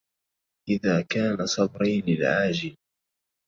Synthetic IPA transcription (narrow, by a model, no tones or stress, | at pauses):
ʔɪðaːkaːnasˤɑbɾɑjlɪlʕaːd͡ʒɪl